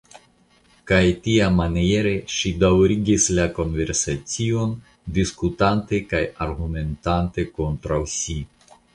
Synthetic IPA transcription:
kajtiamanije̞ɾe̞ʃidawɾiɡislako̞nve̞ɾsat͡sio̞n | diskutante̞kajaɾɡume̞ntante̞ko̞ntɾawsi

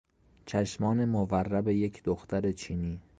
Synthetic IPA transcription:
t͡ʃʰæʃmɒːne̞moværːæbe̞je̞cʰd̪oxt̪æɾe̞t͡ʃʰiːniː

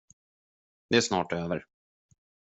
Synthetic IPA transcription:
d̪ɛæʂnɑːʈøːvəɾ

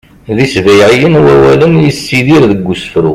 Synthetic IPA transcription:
ðisvæjʕijənwæwælənjəsːiðiɾðəɡːusə̥fɾṵ

